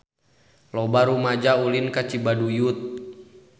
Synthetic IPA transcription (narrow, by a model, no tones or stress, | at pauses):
lɔbaɾumad͡ʒaulinkat͡ʃibadujut̪̚